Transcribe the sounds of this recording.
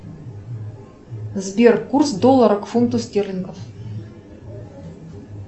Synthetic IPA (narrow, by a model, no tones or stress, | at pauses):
zbʲerkursd̪olˠːaɾəkfunt̪usʲtʲerʲlʲɪŋɡəf